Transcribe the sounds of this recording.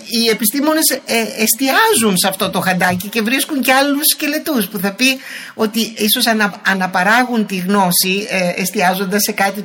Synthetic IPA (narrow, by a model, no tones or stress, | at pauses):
ie̞pist̪imo̞ne̞seest̪iɐzunsɐft̪o̞t̪o̞xɐnd̪ɐcice̞vɾiskuɲceɐlusce̞le̞t̪uspuθɐpi | o̞t̪iiso̞sɐnɐɐnɐpɐɾɐɣunt̪iɣno̞sieest̪iɐzo̞nd̪ɐsːe̞kɐt̪i